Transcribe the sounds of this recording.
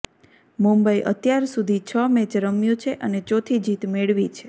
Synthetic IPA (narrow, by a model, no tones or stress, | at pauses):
mumbəiʔə̰t̪jaɾsud̪ʱit͡ʃʰəmẽt͡ʃɾəmjũt͡ʃʰeʔənet͡ʃot̪ʰid͡ʒit̪meɭʋit͡ʃʰe